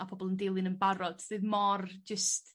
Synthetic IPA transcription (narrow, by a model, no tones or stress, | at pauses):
apʰɔbɔlˠəndelˠɪnənbaɾɔd̥θɨðmɔrd͡ʒəst